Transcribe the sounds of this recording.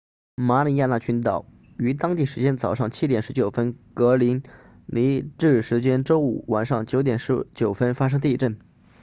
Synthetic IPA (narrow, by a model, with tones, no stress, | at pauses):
ma˧˥li˧˥ja˥˧na˥˩t͡ɕʰy˧˥nt̪ɑ˨˩˦ʊ | y˧˥t̪ɑ˥ŋt̪i˥˩ʂɻ̩˧˥t͡ɕjɛ˥nt͡sɑ˨˩ʊʂɑ˥˩ŋt͡ɕʰi˥t̪jɛ˨˩nʂɻ̩˧˥t͡ɕjo˨˩ʊfə˥nkɤ˧˥li˧˥n | li˧˥ʈ͡ʂɻ̩˥˩ʂɻ̩˧˥t͡ɕjɛ˥nʈ͡ʂo˥ʊu˨˩wa˨˩nʂɑ˥˩ŋt͡ɕjo˧˥ʊt̪̬jɛ˨˩nʂɻ̩˧˥t͡ɕjo˨˩ʊfə˥nfa˥ʂ̬ɤ˥ŋt̪i˥˧ʈ͡ʂə˥˩n